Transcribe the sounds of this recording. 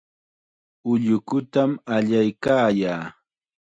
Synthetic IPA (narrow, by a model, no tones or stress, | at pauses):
ʊʎʊkʊt̪amaʎajkaːjaː